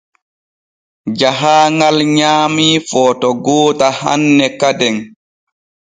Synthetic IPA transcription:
d͡ʒaɦaːŋalɲaːmifɔːtɔɡoːtaha̰nːɛkadɛŋ

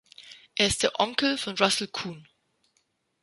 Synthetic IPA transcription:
ʔɛɐɪstð̥ɛʔɔŋkl̩fɔ̃nɹasl̩kʰuːn

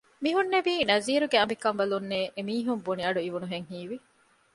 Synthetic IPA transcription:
miɦunːeʋiːnɐziːɾuɡeɐmbikɐmbɐlunːeːʔemiːɦumboniɐɖuiʋunuɦeŋɦiːʋi

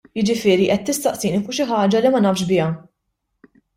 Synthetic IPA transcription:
jɪd͡ʒɪfɪːɾiʔɛt̪ːɪst̪ɐʔsiːnifʊʔʃ̬ɪħɐːd͡ʒɐlimɐnɐːfʃbɪːjɐ

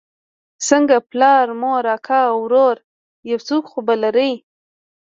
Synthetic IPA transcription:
səŋɡaplɑɾmoɾɑkʰawɾoɾ | jawt͡sokxobalaɾəj

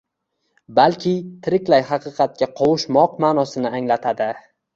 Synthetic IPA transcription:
balkʲʰɪt̪ʰɪɾɪkʲlajhɑqɨqʰɑt̪̚kʲaqʰɒwʊʃmɒqmaːnɒsɪnɪaŋlat̪ʰad̪ɪ

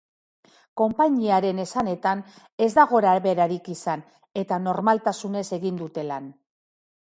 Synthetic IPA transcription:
ko̞mpaɲiaɾe̞ne̞sane̞t̪an | e̞zd̪aɣo̞ɾaβe̞ɾaɾikisan | e̞t̪ano̞ɾmalt̪asune̞se̞ɣind̪ut̪e̞lan

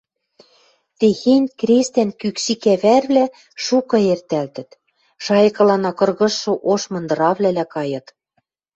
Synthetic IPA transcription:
t̪exenʲkɾest̪ænkykʃikæβærβlæ | ʃukɤ̆ert̪ælt̪ɘ̆t̪ | ʃɑjɤ̆kɤ̆lɑnɑkɤ̆rɣɤ̆ʃːŏʔoʃmɤ̆nd̪ɤ̆ɾɑβlʲælækɑjɤ̆t̪

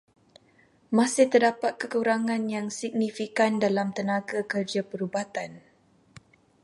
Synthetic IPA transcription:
masɪht̪ərdapat̪̚kəkuɾaŋãnjaŋsiɡ̚nifikandalamt̪ənaɡakərd͡ʒapəɾubat̪an

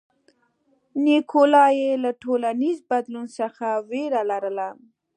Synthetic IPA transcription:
nikʰolɑjelaʈolanizbad̪lunsəxaweɾalaɾəla

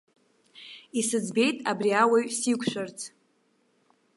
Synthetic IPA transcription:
isɨd͡zbe̞jtʼabriawaɥsikʷʰʃʷᶣart͡sʰʼ

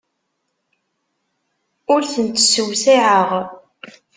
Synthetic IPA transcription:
ʊɾθənt̪ːsəwsiʕəʁ

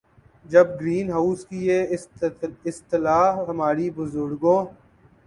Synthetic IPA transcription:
d͡ʒɐb̚ɡɾiːnɦaːskijeː | ɪst̪ɪlaːɦɐmaːɾibʊzʊɾɡõː

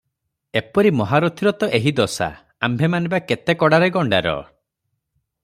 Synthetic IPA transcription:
epɔɾimɔɦaɾɔt̪ʰiɾɔt̪ɔʔeɦid̪ɔsa̰ | ambʱemanibaket̪ekɔɽaɾeɡɔɳɖa̰ɾɔ̰

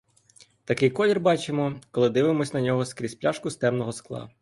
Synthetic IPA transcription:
t̪ɐkɪjkɔlʲirbɑt͡ʃemɔkɔlˠɪd̪ɪʋɪmɔsʲnɐnʲɔɦɔskɾʲispʲlʲaʃkʊst̪ɛmnɔɦɔsklˠɑ̰

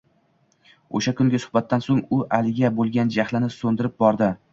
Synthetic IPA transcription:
o̰ʃakʊŋɡʲasʊ̥χbat̪ʰːansoŋʊʔalɪɡʲabolˠɡʲand͡ʒahlɪnɪsond̪ɪɾɪp̚bɒɾd̪ɪ

